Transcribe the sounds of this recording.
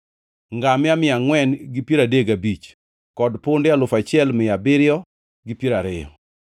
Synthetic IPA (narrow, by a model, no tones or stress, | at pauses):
ŋɡamɪamɪaŋwɛnɡipjiɾadeɡabit͡ʃ | kɔdpʊndɪalʊfat͡ʃɪɛlmɪjabɪɾjɔ | ɡipjeɾaɾɪjɔ̰